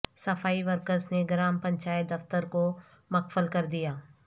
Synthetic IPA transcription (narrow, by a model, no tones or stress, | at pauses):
sɐfʰaːiʋəɾkəsneɡɾaːmpɐ̃ɲʲt͡ʃaːjt̪̚d̪ɐft̪əɾko | mɐkfəlkɐɾd̪ijaː